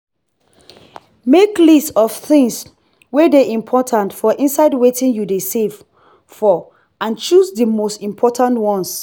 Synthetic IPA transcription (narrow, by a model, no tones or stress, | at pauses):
meklistɔfθɪ̃ŋs | wedeʔĩmpʰɔtʰãntfɔʔĩnsaɪdwetɪ̃njudesev̥ | fɔ | ãnt͡ʃusdəmostĩmpʰɔtʰãntwɔ̃ns